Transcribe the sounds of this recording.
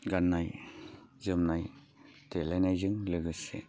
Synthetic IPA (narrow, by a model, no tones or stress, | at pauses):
ɡanːaj | zɯmnaj | telajnajzɯŋlɯɡɯsḛ